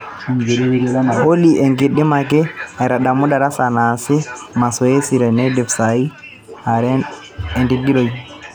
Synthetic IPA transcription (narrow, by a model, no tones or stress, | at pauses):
holiʔɛŋɡeɗːimakɛaɾaɗamudaɾasanasɛmasɔesiɾɛnɛdɛfsai | haɾɛ | ɛndiɡiloji